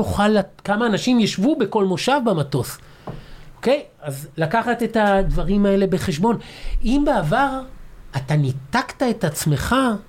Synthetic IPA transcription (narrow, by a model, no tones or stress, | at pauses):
uχalakamaːnaʃimjaʃvube̞ko̞lmo̞ʃavbamato̞s | oke̞jazlakaχat̪e̞tad̪vaʁimae̞le̞be̞χe̞ʃ̬bo̞nimbeavaʁatanit̪aktae̞tat͡sme̞χa